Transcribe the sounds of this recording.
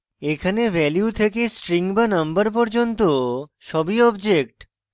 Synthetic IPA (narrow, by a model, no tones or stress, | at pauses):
ekʰanevɛljut̪ʰekesʈɾiŋbanʌmbəɾp̬ɔɾd͡ʑont̪oʃɔbiɔbd͡ʑek̚ʈ